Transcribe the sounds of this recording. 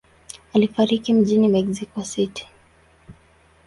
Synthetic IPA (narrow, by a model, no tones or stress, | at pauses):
alifaɾikim̩ʄinimɛɡzikwasitʰi̥